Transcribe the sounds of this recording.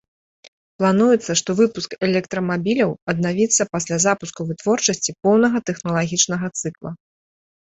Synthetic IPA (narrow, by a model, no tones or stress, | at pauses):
plˠanujɛt̪sːɐʂt̪ɔvɨpuskɛlʲɛk̚t̪ɾɐmabʲilʲɐwɐd̪navʲit̪sːɐpasʲlʲazapuskuvɨt̪vɔrt͡ʂɐsʲt͡sʲipɔwnɐɣɐt̪ɛxnɐlˠaɣʲit͡ʂnɐɣɐt̪sɨklˠɐ